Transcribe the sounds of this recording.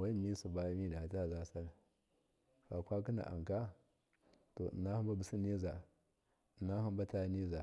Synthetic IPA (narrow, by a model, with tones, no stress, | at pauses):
wa˦˨mi˦su˨ba˦mi˦da˨ta˦˨za˦sa˦l | fa˨kʷa˦k̬i˦na̰˨ʔa̰˨ŋ˨ka˦ | to̰˨na˦hu˦ba˦bu˨si˦ni˦za˨ | na˦hu˦m˦ba˦ta˦ni˦za˨